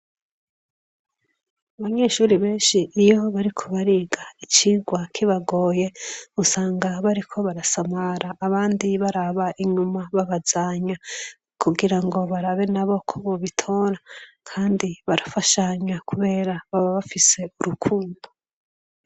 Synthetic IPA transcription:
aβaɲe̞ːʃuːɾiβe̞ːnʃiːjo̞βaɾikʰo̞βaɾiɡait͡ʃiɡwakʰiβaɡo̞ːje̞usaːŋɡaβaɾikʰo̞βaɾasamaɾaːβaːndiβaɾaβaʔiɲumaβaβazaɲa | kʰuɡiɾaŋɡo̞βaɾaβe̞naβo̞kʰoβoβitʰoɾa | kʰaːndiβaɾafaʃaɲakuβe̞ːɾaβaβaβafise̞uɾukʰuːndo

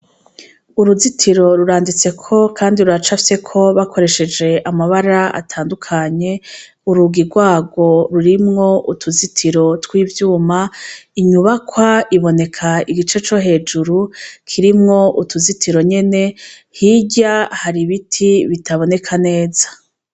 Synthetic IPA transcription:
uɾuzitʰiɾo̞ɾuɾaːndit͡se̞kʰo̞kʰaːndiɾuɾat͡ʃafse̞kʰo̞βakʰo̞ɾe̞ʃe̞d͡ʒe̞ʔamaβaɾaa̰tʰaːndukʰaɲe̞ | uɾuɡiɾɡwaːɡo̞ɾuɾimŋo̞ʔutʰuzitʰiɾo̞twiːvjuːmaiɲuβakwaiβo̞ne̞kʰaiɡit͡ʃe̞t͡ʃo̞ɦe̞ːd͡ʒuɾukʰiɾimŋo̞ʔutuzitʰiɾo̞ɲe̞ne̞ | hiɟahaɾiβitʰiβitaβo̞ne̞kʰane̞ːzḁ

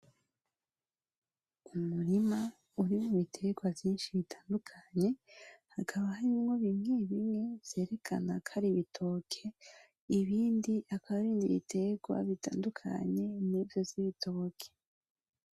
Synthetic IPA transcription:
umuɾima | uɾimuβitʰe̞ɡwavjiːnʃiβitʰaːndukʰaɲe̞hakʰaβahaɾimŋo̞βimŋe̞βimŋe̞vz̥e̞ːɾe̞kʰa̰nakʰaɾiβitʰo̞ːkʰe | iβiːndiʔakʰaβaβiːndiβḭtʰe̞ɡwa̰βitʰa̰ːndukʰa̰ɲe̞niːvjo̞vz̥iβitʰo̞kʰe̥

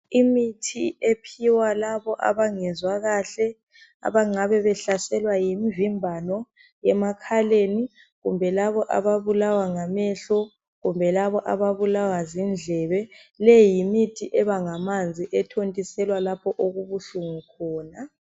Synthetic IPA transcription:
imitʰiepʰiwalaβɔʔa̰βaŋɛzwaɣaɬɛ | a̰βaŋ͡ǀaβɛβɛɬasɛlwajimivimbʱanɔ | jɛmakʰaleni | ɣumbʱɛlaβɔʔa̰βaβulawaŋamɛɬɔ | ɣumbʱɛlaβɔʔaβaβulawazind͡ɮʱɛβɛlɛjimitʰiʔɛβaŋamand͡zʱiʔɛtʰontʼisɛlwalapʰɔʔoɣuβuɬuŋukʰɔːna

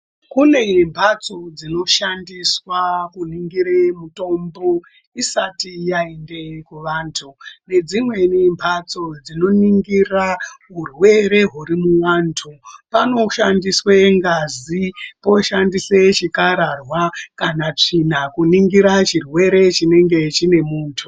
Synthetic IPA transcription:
kune̞mbʱat͡so̞d͡zino̞ʃandiswakuniŋɡiɾemuto̞mbo̞ | isatijaende̞kuʋaːntʰune̞d͡zimwe̞nimbʱat͡so̞d͡zino̞niŋɡiraɦurwe̞ɾe̞ɦuɾimuwaːntʰupano̞ʃandisweŋɡazipo̞ʃandiset͡ʃikaɾarwakanat͡ʂinakuniŋɡiɾat͡ʃirwe̞ɾe̞t͡ʃine̞ŋɡe̞t͡ʃine̞muːtʰu

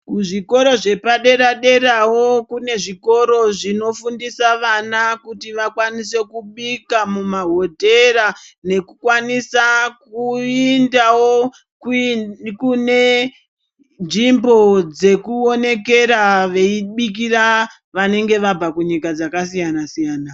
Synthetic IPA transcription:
kuʐiko̞ɾo̞ʐe̞paɗe̞ɾaɗe̞ɾawo̞kune̞ʐiko̞ɾo̞ʐino̞fundisaʋanakutiʋakwanise̞kuɓikamumaɦo̞dʱe̞ɾane̞kukwanisakuindawo̞ | k | kune̞ | nʐimbo̞d͡ze̞kuone̞ke̞ɾaʋe̞iɓik̬ira | ʋane̞ŋɡe̞ʋabakuɲikad͡zakasijanasijaːna

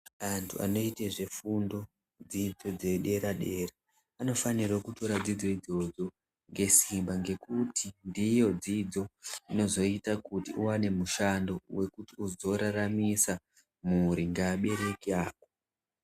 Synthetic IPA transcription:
antʰua̰no̞iteʐe̞fundo̞ | d͡zid͡zo̞d͡ze̞ɗe̞ɾaɗe̞ra | ano̞fanirwokuto̞ɾad͡zid͡zo̞id͡zo̞d͡zo̞ | ŋɡe̞simbaŋɡe̞kutindijo̞d͡zid͡zo̞ino̞zo̞itakutiuwane̞muʃando̞we̞kutiuzo̞ɾaramisa | muɾiŋɡaːɓe̞ɾe̞kiaːko

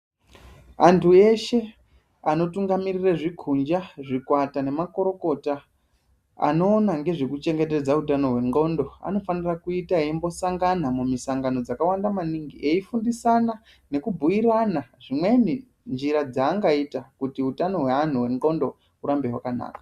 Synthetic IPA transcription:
antʰue̞ʃe̞ | ano̞tuŋɡamirireʐikʰund͡ʒaʐikwatane̞mako̞ɾo̞ko̞ta | a̰no̞ːnaŋɡe̞ʐe̞kut͡ʃe̞ŋɡe̞te̞d͡zautano̞ɦwe̞ŋɡo̞ndo̞a̰no̞fanirakuitaeimbo̞saŋɡanamumisaŋɡano̞d͡zakawandamaniŋɡiʔe̞ifundisana | ne̞kubʱujiɾanaʐimwe̞ni | nd͡ʒiɾad͡zaːŋɡaitakutiutano̞ɦwe̞an̤uɦwe̞ŋɡo̞ndo̞ | uɾambe̞ɦwakana̰ːkḁ

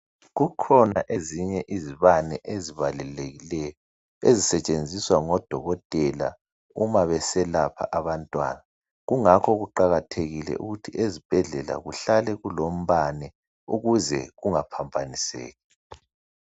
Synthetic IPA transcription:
ɣukʰɔnaʔeziɲɛʔiziβanɛʔeziβalɛleɣilɛjɔ | ezisɛt͡ʃʼend͡zʱiswaŋɔd̥ʱɔɣɔtʼɛla̰ | umaβɛsɛlapʰa̰ʔaβantʼwa̰ːna | ɣuŋakʰɔɣuǃaɣatʰeɣilɛ̰ʔṵɣutʰiʔezib̥ʱɛɮɛla̰ɣuɬalɛɣulom̩βanɛ | uɣuzɛɣuŋapʰambʱanisɛ̰ːɣɛ

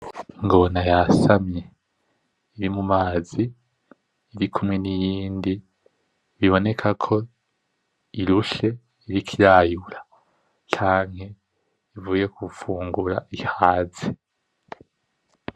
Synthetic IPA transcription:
iŋɡo̞najasamɲe̞ | iɾimumaːzi | iɾikʰumŋe̞nijiːndi | βiβo̞ne̞kʰakʰo̞ | iɾuʃe̞ | iɾikʰiɾajuɾa | t͡ʃaːŋ̥he̞ | ivuːje̞kʰufuːŋɡuɾaʔihaːzi

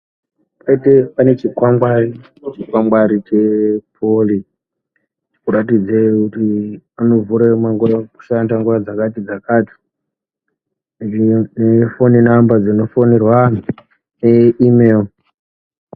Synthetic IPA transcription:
paitepanet͡ʃikwaŋɡwari | t͡ʃikwaŋɡwaɾit͡ʃepʰoli | kuɾatid͡zekutiano̞vuɾemaŋɡuraku̥ʃandaŋɡurad͡zakatid͡zakaːti̥ | nefoninambad͡zino̞fonerwani | neimeːl

